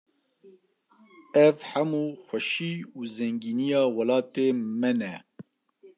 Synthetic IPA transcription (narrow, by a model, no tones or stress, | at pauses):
ɛvħamuːxʷɛʃiːuːzɛŋɡiːnijɑːwɐlɑːt̪eːmɛnɛ